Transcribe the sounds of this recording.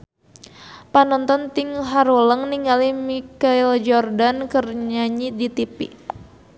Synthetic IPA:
panɔnt̪ɔnt̪iŋɦaɾoləŋniŋɡalimikaild͡ʒɔrdankərɲaɲidit̪ipḭ

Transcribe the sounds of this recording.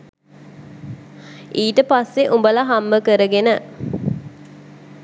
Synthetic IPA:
iːtəpasːeʔumbəlaɦamːəkəɾəɡenə

